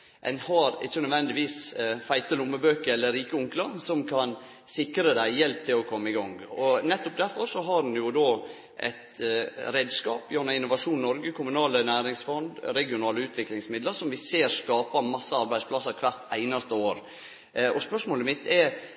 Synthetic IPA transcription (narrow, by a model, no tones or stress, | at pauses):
ʔɛ̰nhɑɾɪ̰t͡ʃːənœʋɛnd̪ɪʋiːsfæɪt̪əlʊmːəbøːkəɾɛlːəɾiːkəʊŋklɑsɔmkʰɑn | sɪkɾəd̪æɪjɛlp̚t̪ʰɪlɔkʰɔmːəɪɡɔŋɔnɛt̪ːʊp̚d̪æɾfɔɾsɔɦɑɾnjʊd̪oː | ʔɛ̰ɪt̪ɾeːd̪skɑ̰ːpjœɾnɑɪnːʊʋɑʂuːnnɔɾɡəkʰʊmʉnɑːlənæːɾɪŋsfɔnd̪ɾɛɡɪʊnɑːləʉːt̪ʰʋɪklɪŋsmɪd̪ləɾsɔmʋɪseːɾskɑːpɑmɑsːəɑɾbæɪspʰlɑsːɑɾkʰʋæɾt̪æɪnɑst̪əoːɾ | ʔɔspœʂmoːləmɪt̪ʰːɛ